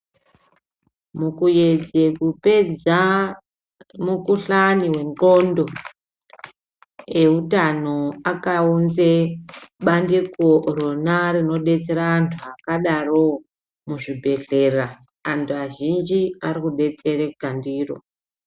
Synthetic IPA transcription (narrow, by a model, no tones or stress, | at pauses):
mukujed͡zekuped͡za | mukuɬaniwe̞ŋɡondo̞ | e̞utanoakaunzeɓandekoronarino̞ɗe̞t͡se̞ɾaːntʰuakaɗaro̞ | muʐibʱe̞ɬe̞ra | antʰuaʒind͡ʒiarikuɗe̞t͡se̞rekandiːro̰